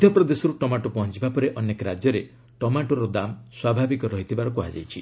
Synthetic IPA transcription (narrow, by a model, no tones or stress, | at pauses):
d̪ʱjɔpɾɔd̪esɔɾuʈɔmaʈupɔɦɔ̃t͡ʃibapɔɾeʔɔnekɔɾad͡ʒjɔɾe | ʈɔmaʈɔɾɔd̪amswabʱabikɔɾɔɦit̪ʰibaɾɔkuɦa̰d͡ʒa̰jt͡ʃʰi